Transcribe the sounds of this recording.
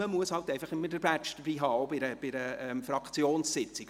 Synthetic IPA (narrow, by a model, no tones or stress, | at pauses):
əmuəshɑltɛɪfɑχɪmːədəɾbæt͡ʃd̥əbiːɦɑːoʊbɪɾəb̥ɪɾəɛmfɾɑkt͡sjoːnssɪt͡sɪɡ